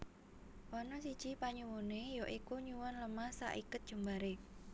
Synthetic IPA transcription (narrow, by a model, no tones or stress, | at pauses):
wɔnɔsid̥ʒ̥ipaɲuwunejoʔikuɲuwɔnləmasa̰ʔikʊt̪̚dʒ̥ṳmbaɾe